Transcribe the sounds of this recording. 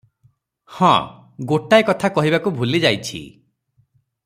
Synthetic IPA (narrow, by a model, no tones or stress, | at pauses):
hɔ̰̃ | ɡoʈaekɔt̪ʰakɔɦibakubʱulid͡ʒajt͡ʃʰḭ